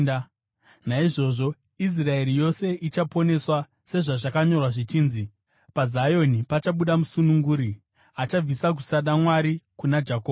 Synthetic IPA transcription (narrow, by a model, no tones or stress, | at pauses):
naiʐo̞ʐo̞ | is̬rae̞rijo̞se̞ʔit͡ʃapo̞ne̞swa | se̞ʐaʐakaɲo̞rwaʐit͡ʃiːnzi | pazajo̞nipat͡ʃaɓuɗamusunuŋɡuːɾi | at͡ʃab͡visak̬usaɗamwaɾikunad͡ʒako